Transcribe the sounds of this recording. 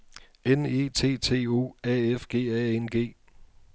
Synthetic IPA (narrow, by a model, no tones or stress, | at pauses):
ene̝̰ːt͡sʰe̝̰ːt͡sʰe̝̰ːo̝̰ːɛːefɡ̥e̝̰ːɛenɡ̥e̝̰ː